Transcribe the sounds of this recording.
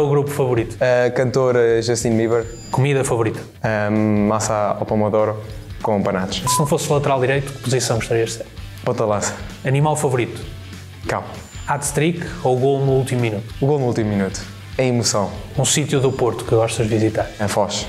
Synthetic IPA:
uɣɾupu̥fɐvuɾit̪u̥ɐkɐ̃nt̪oɾɐʒɐʃt̪ĩnmiβɛɾ | kumiðɐfɐvuɾit̪ɐ̥ | ɐmasaa̰pɐmɐðoɾɐ | kõpɐnat̪ʃsɨnɐ̃w̃foslˠɐt̪ɨɾalˠd̪iɾejt̪u̥kpuzisɐ̃w̃ɡuʃt̪ɐɾiɐʒseɾpõnt̪ɐlˠasɐ̥ɐnimalˠfɐvuɾit̪u̥ | kaw | at̪t̪ɾikouɣolˠnuulˠt̪imuminut̪u̥uɣolˠnuulˠt̪imuminut̪u̥ | ẽj̃imusɐ̃w̃ũsit̪juðupoɾt̪u̥kɨɣɔʃt̪ɐʒd̪vizit̪aɾɐfɔʃ

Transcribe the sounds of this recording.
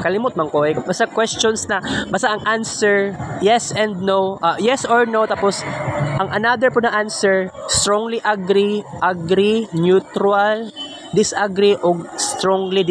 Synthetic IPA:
kɐlɪmʊt̪̚mɐŋkoʔɛkbɐst̪akwɛst͡ʃonsnɐbɐst̪aʔɐŋʔansɛɹjɛsɛ̃nd̪̚nowʔajɛsʔoɹnot̪aːposʔɐŋʔɐnad̪ɛɹpʊnɐʔansɛɹst̪ɾoŋliʔɐɡɾiʔɐɡɾinjut̪ɾual | d̪ɪsʔɐɡɾiʔoɡ̚st̪ɾoŋlid̪

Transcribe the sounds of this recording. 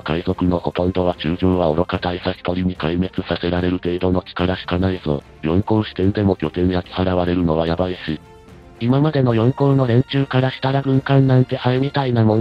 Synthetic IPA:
kaizo̞kɯ̟no̞ho̞t̪õ̞nt̪o̞β̞at͡ɕɨːʑõːβaoɾo̞kat̪aisakʲi̥t̪o̞ɾʲiɲ̟ikaime̞t͡sɨsase̞ɾaɾe̞ɾɯ̟t̪e̞ːd̪o̞no̞t͡ɕi̥kaɾaɕi̥kanaizo̞̰ː | jõ̞ŋkõ̞ɰ̃ɕi̥t̪ẽ̞nd̪e̞mo̞kʲo̞t̪ẽ̞ɰ̃jakʲi̥haɾaβaɾe̞ɾɯ̟no̞βajabaiɕi | imamad̪e̞no̞jõ̞ŋkõ̞nno̞ɾẽ̞ɲ̟t͡ɕɨːkaɾaɕi̥t̪aɾaɡɯ̟̃ŋkãnːãnt̪e̞ʔaɯmʲit̪ainamõn

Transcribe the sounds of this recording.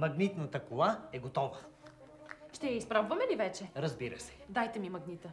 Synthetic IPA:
mɐɡnit̪nət̪əkolˠaɛɡot̪ɔvə | ʃt̪ɛjɐispɾɔbvɐmɛlivɛt͡ʃɛɾɐzbiɾə̰sɛ̥d̪ajt̪ɛmimɐɡnit̪ə

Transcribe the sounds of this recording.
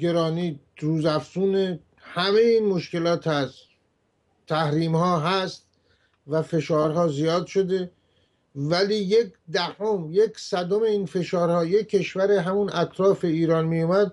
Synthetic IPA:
ɡe̞ɾɒːniː | ɾuːzæfsuːne | hæme̞jeiːnmoʃke̞lɒːt̪ʰæst̪ | t̪ʰæhɾiːmhɒːɦæst̪ | væfe̞ʃɒːɾɦɒːzijɒːd̪ʃo̞d̪e̞ | væliːjekd̪æhomjeksæd̪ome̞iːnfe̞ʃɒːɾhɒːjekʰːe̞ʃvæɾeɦæmunæt̪ʰɾɒːfe̞iːɾɒːnmijumæd̪̚

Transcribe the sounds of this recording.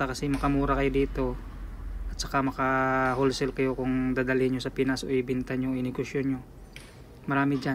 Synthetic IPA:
akɐsɛmɐkɐmuːɾɐkɐjod̪iːt̪o̞ | ʔɐt̪̚t͡ʃɐkamɐkɐholsɛlkɐjo̞kʊŋd̪aːd̪ɐlɪɲɲosɐpɪnaso̰ʔɪbɪnt̪ɐɲoɪnɛɡosjonɲɲo | mɐɾaːmɪd͡ʒa

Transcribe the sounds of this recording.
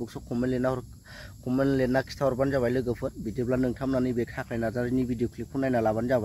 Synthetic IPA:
bɯksɔkʰɔmenlenaɔɾ | kʰɔmenlenːakʰi̥stʰaɔɾbanzaβajlɯɡɯpʰɯtbidioblanɯŋtʰamnanɯjbekʰakʰajnazaɾinibidiokʰlipʰunːajnalaβanzaba

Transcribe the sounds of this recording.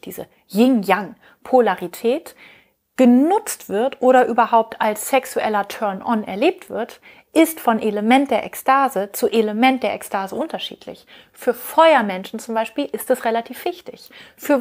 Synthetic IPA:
d̥ḭːzə̰ | jɪŋjaŋ | pʰolaʁitʰɛːt | ɡ̥ənʊt͡stv̥ɪɐtʔoːɾɐʔyːbɐhaʊp̚tʰalsːɛksuʔɛlɐtʰœɐnɔnɛ̰ɐleːp̚tv̥ɪɐt | ʔɪstfɔnʔeləmɛnt̚d̥eːɐʔɛkstaːzət͡suʔeləmɛnt̚d̥eːɐʔɛkstʰaːzəʔʊntɐʃḭːtʰlɪ̰ç | fyːɐfɔʏɐmɛnʃn̩t͡sʊmbaɪʃpiːlɪstɛsʁelatʰiːfv̥ɪçtɪ̰çfyːɐ

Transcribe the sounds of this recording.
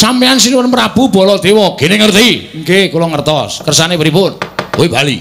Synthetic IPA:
sampeansinwənpɾab̥ubɔ̤lɔd̪̥ewɔɡ̥eneŋərt̪iŋkekulɔŋərt̪ɔskərsanepɾipʊnwoibali

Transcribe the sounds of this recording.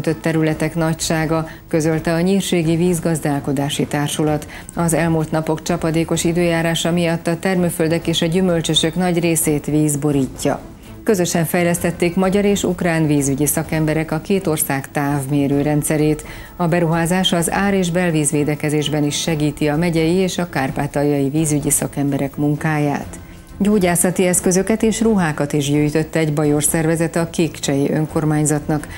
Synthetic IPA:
t̪ø̞t̪ːɛɾylɛt̪ɛkn̪ɒcʃaːɡɒ | kø̞zø̞lt̪ɛɒɲiːrʃeːɡiviːzɡɒzd̪aːlko̞d̪aːʃit̪aːrʃulɒt̪ | ɒzɛlmuːlt̪nɒpo̞kt͡ʃɒpɒd̪eːko̞ʃid̪øːjaːɾaːʃɒmijɒt̪ːɒt̪ɛrmøføld̪ɛkeːʃɒɟymø̞lt͡ʃøʃø̞knɒɟreːseːt̪ʋiːzbo̞ɾiːcːɒ̰ | kø̞zø̞ʃɛɱfɛjlɛst̪ɛt̪ːeːkmɒɟɒɾeːʃṵkraːnviːzyɟisɒkɛmbɛɾɛkɒkeːt̪o̞rsaːkt̪aːvmeːɾøːɾɛnt̪sɛɾeːt̪ | ɒbɛɾuɦaːzaːʃɒza̰ːɾeːʒbɛlviːzʋeːd̪ɛkɛzeːʒbɛniʃːɛɡiːt̪iɒmɛɟɛjieːʃɒkaːrpaːt̪ɒjɒjiviːzyɟisɒkɛmbɛɾɛkmuŋkaːja̰ːt̪ | ɟoːɟaːsɒt̪iɛskø̞zø̞kɛt̪eːʃruɦaːkɒt̪iʒɟøːjt̪ø̞t̪ːɛɛɟbɒjo̞rsɛrvɛzɛt̪ɒkiːkt͡ʃɛjiʔø̞ŋko̞rmaːɲzɒt̪nɒk

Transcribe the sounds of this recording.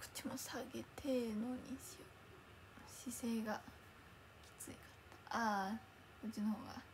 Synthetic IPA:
kɯ̟̥t͡ɕimosaɡet̪ʰenoɲ̟iɕio | ɕiseːɡa | kʲi̥t͡sɨikḁt̪ːḁa | ot͡ɕinohoːɡa̰

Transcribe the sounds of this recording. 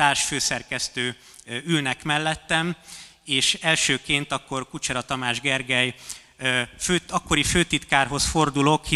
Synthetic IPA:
t̪aːrʃføːsɛrkɛst̪øː | ylnɛkmɛlːɛt̪ːɛm | eːʃɛlʃøːkeːnt̪ɒkːo̞rkut͡ʃɛɾɒt̪ɒmaːʒɡɛrɡɛj | føːɒkːoɾiføːt̪it̪kaːrɦo̞sfo̞rd̪ulo̞khi

